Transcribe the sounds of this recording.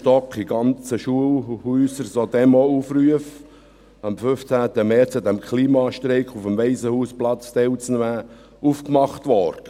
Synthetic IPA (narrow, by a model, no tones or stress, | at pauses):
tɔkχiɡ̥ɑnt͡səʃuəlhyːsəɾsod̪ɛmoufryəf | ɑmfʏft͡sæːt̪əmɛːt͡sod̪ɛmkχliːmɑʃtɾeɪkχufəmʋɛɪsəhuːsplɑt͡st̪ɛwt͡snʋæː | ufkmɑχtʋɔːɾd̥ə